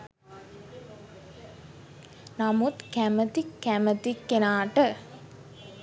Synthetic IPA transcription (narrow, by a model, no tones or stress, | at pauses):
namut̪kæmət̪ikːæmət̪ikːenaːʈə